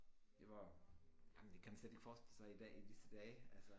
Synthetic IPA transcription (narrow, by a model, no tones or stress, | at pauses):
d̥eʋɑjæmnd̥e̝kʰæmænsled̥e̝ɡ̥fɒːsd̥e̝lsɑ̈ɪid̥ɛ̰ːidisəd̥ɛːælsə